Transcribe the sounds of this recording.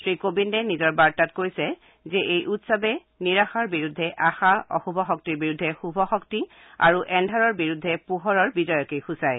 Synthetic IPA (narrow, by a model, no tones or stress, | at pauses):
tɹikobindɛnizɔɹbaɹtatkojsɛ | zɛʔejʔutsɔbɛ | niɹaxaɹbiɹudʱːɛʔaxaɔ̰xubʱɔxɔk̚tiɹbiɹudʱːɛxubʱɔxɔkti | a̰ɹuʔɛndʱaɹɔɹbiɹudʱːɛpuɦɔɹɔɹbizɔjɔkejxusaj